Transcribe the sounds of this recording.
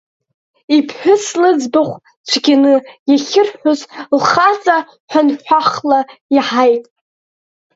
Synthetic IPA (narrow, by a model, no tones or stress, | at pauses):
ipʰħᶣʊslɨd͡zbaχʷ | t͡ɕʷʰɡʲanɨjaχʲɪrħʷᶣʊzlχat͡sʼa | ħʷanħʷᶣaχlaiħajtʼ